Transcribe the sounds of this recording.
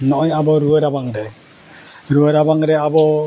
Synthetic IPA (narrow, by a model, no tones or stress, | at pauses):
nɔʔɔjabɔɾuəɾabaŋɾɛ | ɾuəɾabaŋɾɛabɔ